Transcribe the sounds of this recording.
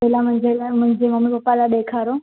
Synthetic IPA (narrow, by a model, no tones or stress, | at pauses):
elamʊ̃ɦɪ̃ɲd͡ʑelmʊ̃ɦɪ̃ɲd͡ʑemɐmipɐpːalaɗeːkʰaːɾo